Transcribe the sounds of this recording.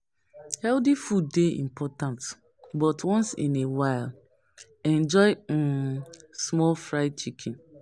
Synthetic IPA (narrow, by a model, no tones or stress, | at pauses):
hɛldifudːeḭ̃mpʰɔtãnt | bɔtwɔ̃nsḭ̃newaɪl | ɛ̃nd͡ʒɔɪ | smɔlfɹaɪt͡ʃikʰĩn